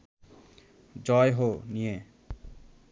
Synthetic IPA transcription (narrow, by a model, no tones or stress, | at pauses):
d͡ʑɔjɦonije